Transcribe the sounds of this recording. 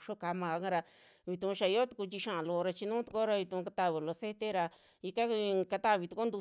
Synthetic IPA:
ʃo˦ka˧mã˧a˧ka˦ɾa˧ | βi˨t̪ũ˧ʃa˧i˧˦o˦t̪u̥˧ku˧t͡ʃ̪i˧ʃã˦˨ã˨lo˧ɾa˧t͡ʃi˧nũː˦t̪u̥˧ko˦ɾa˧βi˧t̪ũ˧ka˧t̪a˧˨βe˨lo˧se˦t̪e˦ɾa˧ | i˧ka˦˧ka˧t̪a˦˨βi˨˧t̪u˧ko˦nd̪u˧

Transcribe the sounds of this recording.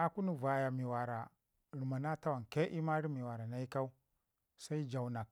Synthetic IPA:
a˨ku˦nu˦va˨ja˨mi˨wa˨ɾa˨ | ɾi˨ma˨na˦ta˦wa˨nke˦ʔi˦ma˦ɾi˦mi˨wa˨ɾa˨na˦i˦ka˦u˦ | sa˦i˦d͡ʒa˨wna˨k

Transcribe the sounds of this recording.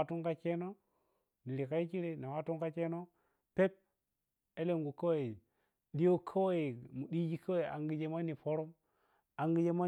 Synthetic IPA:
tu˦ŋka˦t͡ʃe˦no˦ | ni˨li˨ka˦i˦ki˦ɾe˨na˨wa˦tu˦ŋka˦t͡ʃe˦no˦ | pe˦p̚ | e˦le˨ŋ˨ɡu˨kːa˦wa˦i˨ | di˦jo˦kʰa˦wa˦i˨mu˨di˦d͡ʒi˦kʰa˦e˨ʔa˨ŋɡi˨d͡ʒe˦ma˦ni˨po˦ɾo˦m | a˨ŋɡi˦d͡ʒe˦ma˦

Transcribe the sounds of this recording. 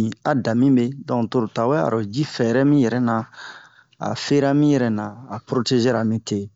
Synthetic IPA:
ĩ˨a˨da˨mĩ˦be˦dɔ̃˨ŋ˨to˨ɾo˨ta˨wɛ˦a̰˨ɾo˨d͡ʒi˦fɛ˨ɾɛ˦mĩ˦jɛ˨ɾɛ˦na˨ | a̰˨fe˦ɾa˦mĩ˦jɛ˨ɾɛ˨nã˨a˨pɾo˦te˦ʒe˦ɾa˨mĩ˦te˦˨

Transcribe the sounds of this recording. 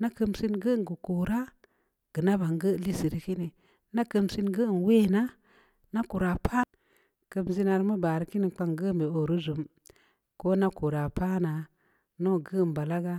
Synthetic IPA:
na˦kə˦msi˦nɡə˦ɡu˨ku˨ɾa˦ | ɡ̥ə˨na˦ba˨ŋɡə˦˨li˦si˨ɾi˦ki˦ni˨ | na˦kə˦msi˦nɡə˦˨n˨we˦na˦ | na˦ku˨ɾa˨pʰa˦ | kə˦mzi˦na˨ɾma˦ba˨ɾi˦ki˦ni˨k͡pa˦ŋɡə˦me˨o˨ɾu˦zu˨m | ko˦na˦ku˨ɾa˨pa˦na˨ | no˦˨ɡə˦˨m˨ba˨la˦ɡa˦

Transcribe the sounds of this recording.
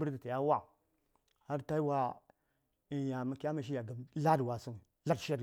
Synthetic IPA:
bu˦ɾda˨ta˨ja˦wa˦˨ | ha˦ɾta˦i˦wa˦ | i˨ja˨ma˨ki˦a˦ma˦ʃ̬i˦ja˨ɡa˨m˦la˦dwa˨su˦ŋ˨ | la˦dʃi˦a˦d

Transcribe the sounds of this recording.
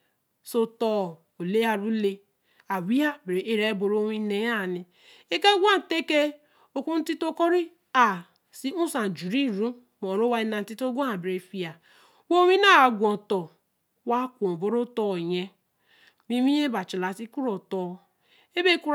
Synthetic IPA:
so˦tɔ˦˨ | o˨le˦a˨ɾu˦le˦ | a˨wi˦a˦be˨ɾe˨e˦ɾe˦bo˨ɾo˦wi˦ne˨ja˦˨ni˨ | e˦ke˦ɡʷa˦n̩˨te˦ke˦ | o˨kʷu˦n̩˦ti˦to˦kɔ˦ɾi˦ | a˨ | si˦u˦sa˨d͡ʒu˨ɾi˦˨ɾu˦ | mɔ˨ɾo˦wa˦i˦na˨n̩˨˦ti˦to˦ɡʷo˦a˨be˨ɾe˨fi˦a˨ | wo˦wʷi˦na˦a˨ɡʷɔ˨tɔ˨ | wa˦kʷo˨bo˦ɾo˦tɔ˦˨ɲe˦ | mi˦mi˦je˦ba˨t͡ʃi˨la˨ti˦ku˦ɾo˨tɔ˨ | e˦be˦ku˦

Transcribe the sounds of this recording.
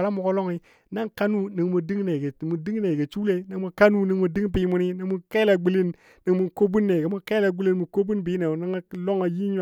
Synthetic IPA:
la˦mu˨ko˦lo˦ŋi˦ | na˦ŋka˦nu˦ni˨ŋmu˨di˦ŋne˨ɡe˨mu˨di˦ŋ˦ne˨ɡe˨t͡ʃu˦le˦ni˨ŋmu˨ka˦nu˦ni˨ŋmu˨di˦ŋ˦bi˦mu˨ni˦ni˨ŋmu˦ka˦la˨ɡ͡bi˦li˦n | ni˨ŋmu˨nko˦bu˦nːe˨ɡe˨mu˨nka˦la˨ɡ͡bi˦li˦nmu˨ko˦bu˦nbi˨˦ne˨ni˦ŋa˦lo˦ŋa˨ji˦ɲ˨

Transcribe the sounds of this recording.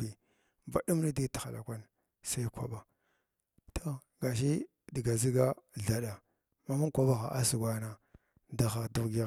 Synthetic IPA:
i˨ | ba˨ɗu˦m˦ni˦dti̥˨xa˨la̰˨kʷa˦n | sa˦i˦kʷa̰˨ɓa˨ | tʰo˦ | ɡa˨ʃ̬i˦ | di˨ɡa˨zi˦ɡa˦ɮa˨ɗa˨ | ma˦mu˦kʷa˦ba˦xa˨ʔa˦si˨ɡʷa˦na˨ | da˨xa˨du˦ɣɡ

